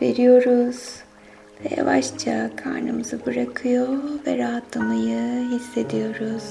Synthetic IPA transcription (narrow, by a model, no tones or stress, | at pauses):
ve̞̰ɾijo̞ɾuz̥ | vɛja̰vaʃt͡ʃʰakʰa̰ɾnɯmɯzɯbɯɾakʰɯjovɛɾaɦat̪ʰlˠamajɯɦisːe̞d̪ijo̞ɾuz̥